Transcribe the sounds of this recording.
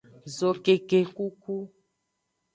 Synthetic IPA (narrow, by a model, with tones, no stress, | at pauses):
zo˨ke˨ke˨ku˦ku˦